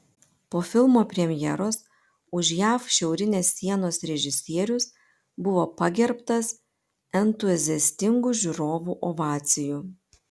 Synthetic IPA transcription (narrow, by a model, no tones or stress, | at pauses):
poːfʲɪlˠmoːpʲɾʲɛmʲjɛɾoːs | ʊʃjæːfʃʲɛʊɾʲɪnʲeːsːʲiɛnoːsɾʲɛʒʲɪsʲiɛɾʲʊs | bʊʋoːpɐɡʲɛɾpt̪ɐs | ɛnt̪ʊzʲɪɛsʲt̪ʲɪŋɡuʒʲʊɾoːʋuːʔoʋɑːt̪sʲɪjuː